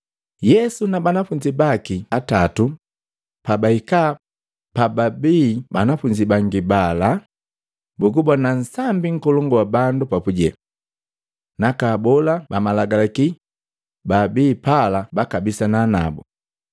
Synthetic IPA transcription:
jɛsunabanafuɲd͡ʒibakiatatu | pabaika | pababibanafuɲd͡ʒibaŋɡibala | buɡubɔnan̩sambiŋ̩kɔlɔŋɡɔwabandupapuɟɛ | nakabɔlabamalaɡalaki | babiːpalabakabisanaːna̰bṵ

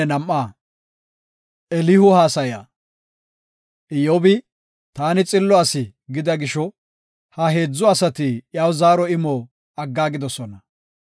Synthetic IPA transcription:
ɛnɐmʔːaː | ɛlɪhʊhaːsɐja̰ː | ʔɪjoːbɪ | t̪aːnɪt͡sʼɪlːɔɐsɪ | ɡɪd̪ɐɡɪʃɔ | hɐɦe̞ːd͡zːɔɐsɐt̪ɪjaːwzaːɾɔɪmoː | ɐɡːaːɡɪd̪ɔsɔnɐ

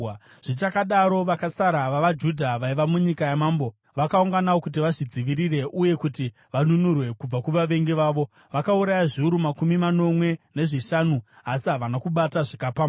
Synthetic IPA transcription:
ʐ̥it͡ʃakaɗaɾo̞ʋakasaɾaʋaʋad͡ʒudʱaʋaiʋamuɲikajamaːmbo̞ | ʋakauŋɡanawo̞kut̬iʋaʐid͡ziʋiɾire̞ʔuje̞kuti | ʋanunurwe̞kub͡vakuʋaʋe̞ŋɡeʋaːʋo̞ | ʋakauɾajaʐiuɾumakumimano̞mwe̞ne̞ʐiʃanu | asiɦaʋanakuɓataʐikapa

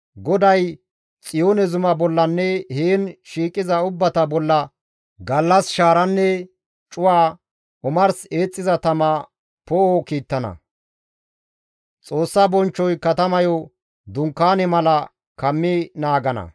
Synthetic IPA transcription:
ɡɔd̪ɐj | t͡sʼɪjoːnɛzʊmɐbɔlːɐnːɛheːnʃiːkʼɪzɐʊbːɐt̪ɐbɔlːɐ | ɡɐlːɐsʃaːɾɐnːɛ | t͡ʃʼʊwaː | ʊmɐɾseːt͡sʼːɪzɐt̪ɐmɐ | pɔokiːt̪ːɐnɐ̰ | t͡sʼo̞ːsːɐbɔnt͡ʃːɔjkɐt̪ɐmɐjɔ | d̪ʊŋkːaːnɛmɐlɐ | kɐmːɪnaːɡɐnɐ̰

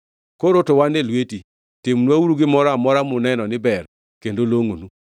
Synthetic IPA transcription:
koɾotowanelweti | tɪmnwauɾuɡɪmɔɾamɔɾamʊnɛnɔnɪbɛr | kendoloŋonu

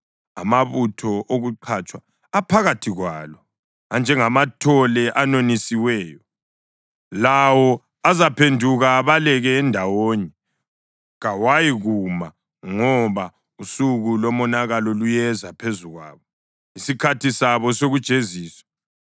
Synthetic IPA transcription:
a̰maβutʰɔʔoɣuǃʰat͡ʃʼwaː | pʰaɣatʰiɣwa̰ːlɔ | and͡ʒʱɛŋamatʰɔlɛʔanonisiwɛːjɔ | lawɔ | azapʰendʱuɣaːβalɛɣɛːndʱawoːɲɛ | ɣawajiɣuma | ŋɔβa | usuɣulɔmɔnaɣalɔlujɛzapʰezuɣwa̰ːβɔ | isikʰatʰisaβɔsoɣud̥ʒ̥ʱeziːswḁ

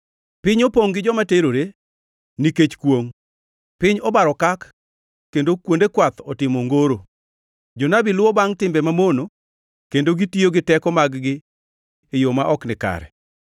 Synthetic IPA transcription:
pɪɲopoŋɡɪd͡ʒɔmateɾoɾe | niket͡ʃkwoŋ | pɪɲɔbaɾɔkakː | endokwondekwat̪ɔtɪmoŋɡoɾo | d͡ʒonabilwɔbaŋtɪmbɛmamono | kendoɡitioɡɪtɛkɔmaɡɡɪː | jomaʔɔknɪka̰ɾɛ̰

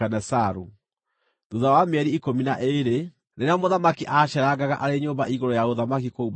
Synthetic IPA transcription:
anɛsaɾu | duðawameɛɾiikominaʔeɾe | neɾeamoðamakiʔaʃɛɾaɡaɣa̰ʔaɾeɲoːmbaiɣoɾɔjaoðamak̬ikoub

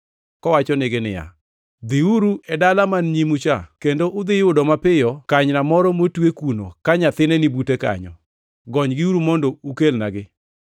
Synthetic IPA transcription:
kɔwat͡ʃɔnɪɡɪnɪ̰ja̰ | d̪ɪuɾuɛdalamanɲimut͡ʃakendoʔʊd̪ɪjʊdɔmapɪjɔkaɲnamɔɾɔmotwekuno̰kaɲat̪ɪnɛnɪbuteka̰ɲɔ̰ | ɡɔɲɡɪuɾumɔndoukelnaɡɪ

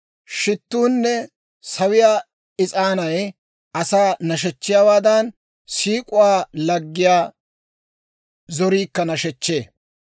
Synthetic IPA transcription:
ʃɪt̪ːuːnːɛ | sɐwɪjaː | ɪt͡sʼaːnɐj | ʔɐsaːnɐʃ̬ɛt͡ʃːɪjaːwaːd̪ɐn | siːkʼʊwaːlɐɡːɪjaː | zɔɾiːkːɐnɐʃɛt͡ʃːeː

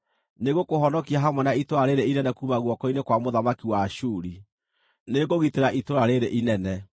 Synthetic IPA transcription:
neɣokohɔnɔkiaɦamwɛnaitoɾaɾeɾeinɛnɛkuːmaɣwɔkɔinekwamoðamakiwaʃuːɾi | neɡoɣiteɾaʔitoɾaɾeɾeʔinɛnɛ

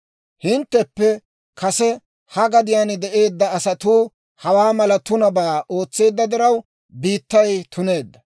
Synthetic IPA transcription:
hɪnt̪ːɛpːɛ | kɐsɛ | hɐɡɐd̪ɪjaːnɪd̪ɛʔe̞ːd̪ːɐːsɐt̪uː | hɐwaːmɐlɐt̪ʊnɐbaːo̞ːt͡sːe̞ːd̪ːɐd̪ɪɾɐw | biːt̪ːɐjt̪ʰʊne̞ːd̪ːɐ

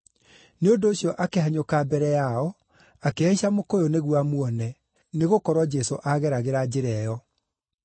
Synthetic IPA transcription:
neodoːɕjɔʔakeɦaɲokabɛɾɛjaɔ | akeaiɕamokojoneɣwamwɔnɛ | neɣokɔɾwɔd͡ʒɛsoʔaɣɛɾaɣeɾad͡ʑeɾɛjɔ

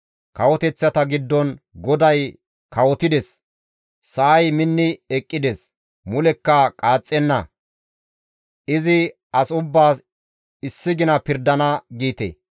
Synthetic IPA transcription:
kɐwɔt̪ɛt͡sːɐt̪ɐɡɪd̪ːɔnɡɔd̪ɐj | kɐwɔt̪ɪd̪ɛs | sɐʔːjmɪnːɪɛkʼːɪd̪ɛs | mʊlɛkːɐkʼaːt͡sʼːɛnːɐ̰ | ʔɪzɪ | ɐsʊbːaːs | ɪsːɪɡɪnɐpɪɾd̪ɐnɐɡiːt̪ḛ

